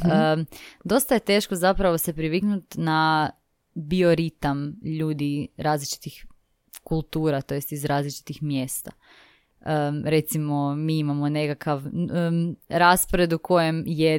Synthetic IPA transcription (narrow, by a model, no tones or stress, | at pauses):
əd̪o̞st̪aje̞t̪e̞ːʃko̞zapɾaʋo̞se̞pɾiʋiknut̪na | bio̞ɾit̪amʎuːd̪iɾaːzlit͡ʃi̥t̪ix | kulˠt̪uːɾat̪o̞jest̪izɾaːzlit͡ʃi̥t̪ixmje̞st̪a | əɾe̞t̪simo̞miːimamo̞ne̞kakʰaʋ | ɾaspoɾe̞d̪ukʰo̞jemje